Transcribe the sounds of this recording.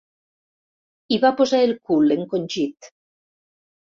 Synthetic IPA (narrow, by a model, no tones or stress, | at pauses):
iβapozaelkuleŋkonʲʒit̪